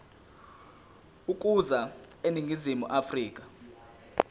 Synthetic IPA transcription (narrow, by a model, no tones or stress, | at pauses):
uk̬ʼuza | eniŋɡʱizimuʔafriːk̬ʼḁ